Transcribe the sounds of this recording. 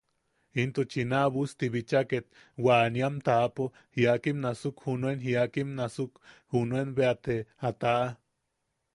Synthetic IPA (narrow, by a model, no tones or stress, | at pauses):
int̪ot͡ʃinaβust̪iβit͡ʃaket̪̚ | waniamt̪apo | hiakimnasukhunuenɦiakimnasukhunuenβeat̪eat̪aʔa